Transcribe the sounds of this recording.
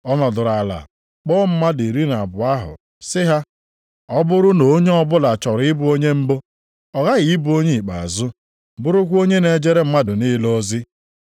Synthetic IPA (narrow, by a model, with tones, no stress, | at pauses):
ɔ˦nɔ˨dʊ˨ɾa˨la̰˨ | k͡pɔː˦m̩˦ma˦di˨ɾi˦n˨a˨bʊ˨a˦ɦʊ̰˨ | sɪ˦ɦa˦ | ɔ˦bʊ˦ɾʊ˦no˨˦ɲe˦ɔ˦bʊ˦la˨t͡ʃɔ˨ɾɪ˦bʊ˦o˦ɲe˦m̩˦bo˦ | ɔ˨ɣa˦ɣi˨i˦bu˨˦o˦ɲe˦i˨k͡pa̰˨a̰˨zʊ˦ | bʊ˦ɾʊ˦kʷo˦ɲe˦ne˨d͡ʒe˦ɾe˦m̩˦ma˦dʊ˨ni˦lo˦zi˦